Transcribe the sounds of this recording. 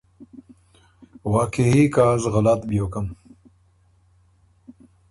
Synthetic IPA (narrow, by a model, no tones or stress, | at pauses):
waːkeɦikaːzɣɐlat̪bjoːkɐm